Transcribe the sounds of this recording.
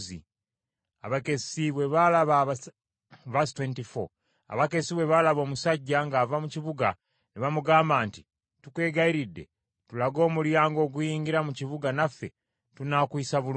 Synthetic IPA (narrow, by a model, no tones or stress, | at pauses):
ḭ | aβake̞siβwe̞βalaβa | vastwentifo̰ | a̰βake̞siβwe̞βalaβo̞ːmusaɟːaŋɡaːvamuciβuɡa | niβamuɡaːmbaːnti | tukwe̞ːɡaiɾidːe̞̰ | tulaɡo̞ːmuljaːŋɡo̞ːɡujiːŋɡiɾamuciβuɡanafːe̞ | tunakwisaβul